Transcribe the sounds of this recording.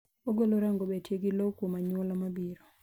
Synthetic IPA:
oɡoloɾaŋɡobɛtjeɡilokwomaɲwɔlɔmabiɾɔ

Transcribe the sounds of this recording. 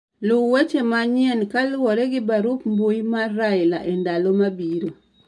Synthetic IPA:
lʊwet͡ʃemaɲɪɛnkalwɔɾɛɡɪbaɾupmbujmarːaɪlaʔendalomabiɾo

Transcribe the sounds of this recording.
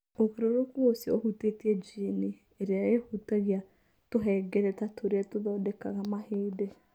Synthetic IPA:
oɣeɾoɾokuosjaohutetied͡ʒine | eɾaehutaɣja | toɦɛɡɛɾɛtatʰoɾeɛtoðɔdɛka̰ɣamaheːdɛ

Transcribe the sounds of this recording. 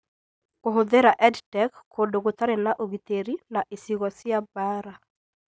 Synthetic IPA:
koɦoðeɾaʔɛdtɛkʰːodoɡot̪aɾɛnaʔoɡit̪eɾinaʔesiɣɔsɪabaɾa

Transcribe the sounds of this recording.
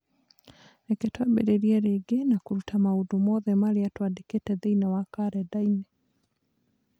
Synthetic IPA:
ɛketwabeɾeɾiɛɾeɡenakuɾutamaudomɔðɛmaliatwadeketɛðeinawakaɾɛdainɛ

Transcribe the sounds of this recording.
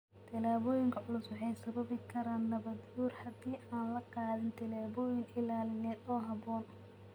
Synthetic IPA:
t̪ʰɪlaːβɔːjɪŋkʰɐʕʊlʊswɑħɑjsɐβɐβɪkʰɐɾaːnːɐβɐd̪uːrhɐd̪iːʔaːnlɐqɑːðɪnt̪ʰɪlaːβɔːjɪŋɪlaːlɪnɛːd̪ɔːɦɐbɔːn

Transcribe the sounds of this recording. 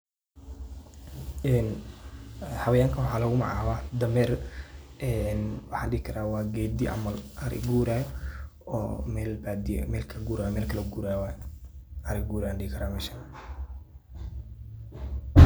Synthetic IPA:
ɛːn | hɐβɐjaːŋkʰɐwʊħɑːlɔɣʊmɑ̰ʕa̰ːwaːd̪ɐmɛːr | ɛːnwɑħɑ̰ːɖɪɪkʰɐɾaːwɑːɡɛːd̪iʔɐ̰mɐlʔɐɾɪ̰ɡuːɾaːjɔɔːmɛlbad̪̰mɛːlkʰɐɡuːɾaːjmɛːlkʰɐlɐɡuːɾaːjwaːj | ɐɾɪɡuːɾanɖɪɪkʰɐɾaːmɛːʃa

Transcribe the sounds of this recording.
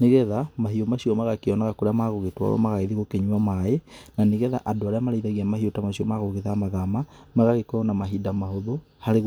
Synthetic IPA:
neɣɛðamaɦiomaɕiɔmaɣakiɔnaɣakoɾeamaɣoɣetwa̰ɾɔ̰maɣaiðiɣokeɲwamaenaneɣɛða̰ʔadoaɾeamaɾaiðaɣiamahiotamaɕiɔmaɣoɣeðamaðamamaɣaɣekonamaɦidamahoðo | haɾeɣ

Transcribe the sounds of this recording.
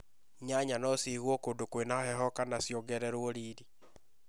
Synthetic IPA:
ɲaɲanɔsiɣwɔkondokwenahɛɦɔkanasjɔɡɛɾɛɾwoɾiːɾi

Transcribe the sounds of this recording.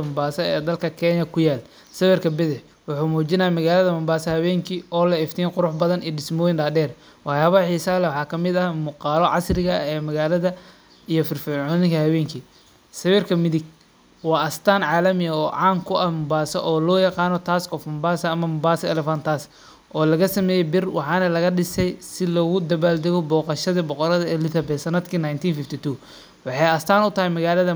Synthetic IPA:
ɐmbaːsɐɛːd̪ɐlkʰɐkʰɛːɲɐkʰʊjaːl | sɐβɪrkʰɐbɪðɪħ | wɑħuːmuːt͡ʃɪnɐːamɐɣaːlɐðɐbɐmbaːsɐhɐβɛːŋkʰiːʔɔːlɐɪft̪ʰiːnqʊɾʊħbɐðɐniɗɪsmɔːjɪnɖaːɖɛːr | wɑħjaːβɐħiːsaːlɛwɑħɑːkʰɐmɪd̪ɐmuːqɑːlɔʕɑ̰srɪɣɐɛːmɐɣaːlɐðɐ | ʔijɔfɪrfɪʕɔːðɪŋkɐhɐβɛːŋkʰiː | sɐwɪrkʰɐmɪðɪɡ | wɑːʔɐst̪ʰaːnʕɑːlɐmɪjɐɔːʕɑːŋkʰʊʔɐmʊbaːsɐʔɔːlɔːjɑqɑːnɔt̪ʰaːskɔfɐmbaːsɐɐmɐmʊbaːsɐɛlɛfɐnt̪ʰaːs | ʔɔːlɐɣɐsɐmɛːjɛbɪrwʔɑ̰ħɑːnɐlɐɣɐɗɪsɛjsɪlɔːɣʊd̪ɐβaːld̪ɛɣɔbɔːqɑʃɐðibɔqɔɾɐðɐɛlɪθɐbɛːsɐnɐd̪kʰiːnajnt̪ʰiːnfɪft̪ʰit̪ʰuː | wɑħɑjɐst̪ʰaːnʊt̪ʰɐɦɛjmɐɣaːlɐðɐ

